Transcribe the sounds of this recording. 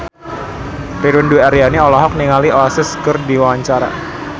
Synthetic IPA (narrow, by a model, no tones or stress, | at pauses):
piɾwɪnduaɾianiɔlɔɦɔk̚niŋaliɔlasɪskərdiwawaɲt͡ʃaɾa̰